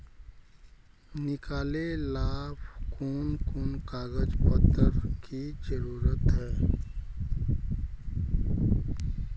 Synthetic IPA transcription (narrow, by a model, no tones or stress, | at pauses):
nɪkaːlelaːbkuːnkuːnkaːɡəd͡ʒpət̪ːəɾkʰizəɾuːɾət̪ɦɛː